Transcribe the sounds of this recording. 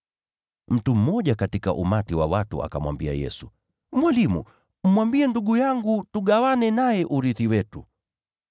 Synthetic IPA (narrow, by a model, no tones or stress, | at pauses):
m̩tum̩mɔʄakatikaʔumatiwa̰watṵa̰kamwa̰mbia̰jɛ̰su | mwalimṵ | m̩mwambiɛnduɠujaŋɡutuɠawanɛnajɛʔuɾiθiwɛtu